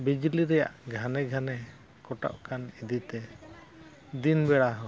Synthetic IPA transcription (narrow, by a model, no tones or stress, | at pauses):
bid͡ʒliɾɛja̰ʔɡʱanɛɡʱanɛ | kɔʈa̰ʔkʰanid̪it̪ɛ | d̪inbɛɽaɦɔ